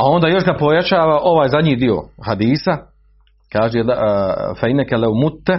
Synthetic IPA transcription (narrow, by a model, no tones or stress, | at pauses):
ao̞nd̪aːjo̞ʃɡapo̞jat͡ʃaːʋaʔo̞ʋaːjzad̪ɲiːd̪io̞̰had̪iːsa | kaːʒeelfejnekeleumut̪ːe